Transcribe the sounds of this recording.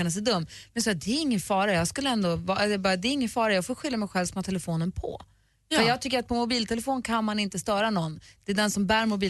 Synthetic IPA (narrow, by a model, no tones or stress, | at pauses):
anas̬ɛd̪ɵmːmɛnsɑːd̪ɛːɾɪŋːənfɑːɾajɑːɡskɵlːəɛnd̪ovɑɛɛbɑːɾad̪ɛɾɪŋːənfɑːɾajɑːɡfoːɧʏljamɛjɧɛlvsmɔt̪ʰɛlɛfoːnənpʰɔ̰ | əjɑːɡ̚t̪ʰʏkːəɾat̪̚pʰɔmʊbiːlt̪ʰɛlɛfoːnkʰanmanɪnt̪əst̪œːɾanɔnːd̪̥ɛːd̪ɛnsɔmbæːɾmʊbiː